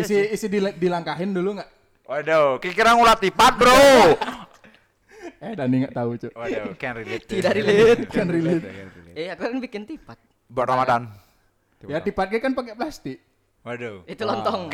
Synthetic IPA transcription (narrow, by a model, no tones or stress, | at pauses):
isiːsidildilaŋkaɦɪnduluŋaʔ | wadokikiɾaŋulat̪ipat̪̚bɾo | ɛhdaniŋɡaʔt̪aut͡ʃʊkɛnrilit̪idaʔɾilit̪̚kɛnrilɪt̪ | ɛhakukanbikɪnt̪ipat̪̚ | baʔɾamadan | jat̪ipat̪̚ɡɛkanpakɛplast̪ɪk | adoit̪ulɔnɔŋ